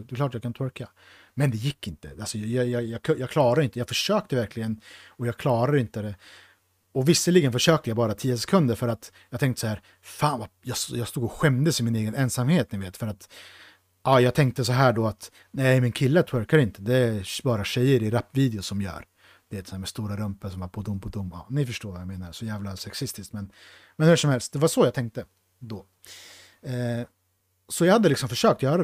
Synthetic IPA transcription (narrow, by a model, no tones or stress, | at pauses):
d̪ɛklɑːʈjɑːkʰant̪ʰwɔɾka | mɛnd̪ɛjɪkːɪnt̪ə̰alsɔjjɑjɑjɑkʰjɑːɡkʰlɑːɾaɾʏɪnt̪əjɑːɡfœʂøːk̚t̪əvæɾkʰlɪɡənɔjɑːɡkʰlɑːɾad̪ɪnt̪əd̪ɛ | ɔvɪsːəliːɡənfœʂøːkt̪əjabɑːɾat̪ʰiːəsɛ̥kʰɵnd̪əɾfœɾat̪ | jɑɡt̪ɛŋkt̪əsɔhæːɾ | faːnvajɑːsjɑːɡst̪uːɡɔɧɛmd̪əsɪmɪneːɡənɛnsamheːt̪nɪveːt̪fœɾat̪ | ʔɑːjɑːɡt̪ʰɛŋk̚t̪əsɔɦæːɖɔat̪ | næɛɾmɪnkʰɪlːət̪ʰɛɾkaɾɪnt̪əd̪ɛbɑːɾaɕɛjːəɾɪɾapːviːd̪ɪʊsɔmjœ̰ːɾ | d̪ɛɛːt̪shæːmɛst̪uːɾaɾɵmpəsɔmaɾpʰɔd̪ʊmpʰɔd̪ʊmːɑ̰ːnɪfœʂʈoːɾvajameːnaɾsɔjæːvlasɛksɪst̪ɪskt̪mɛn | mɛnhʉ̟ːʂɔmhɛlst̪̚d̪ɛvaʂɔjɑːt̪ʰɛŋk̚t̪ə | d̪ɔ | sɔjɑhad̪ːəlɪksɔmfœʂøːk̚t̪jœːɾa